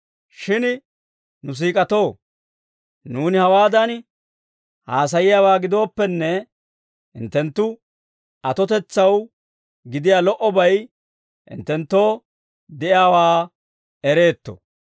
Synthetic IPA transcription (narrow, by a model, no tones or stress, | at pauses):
ʃɪn | nʊs̬iːkʼɐt̪o̞ː | nuːnɪhɐwaːd̪ɐn | haːs̬ɐjɪjaːwaːɡɪd̪o̞ːpːɛnːɛ | ɪ̰nt̪ːɛnt̪ːʊ | ɐt̪ɔt̪ɛt͡sːɐw | ɡɪd̪ɪjaːlɔʔɔbɐj | ʔɪ̰nt̪ːɛnt̪ːo̞ː | d̪ɛʔaːwaː | ɛɾe̞ːt̪ːɔ̰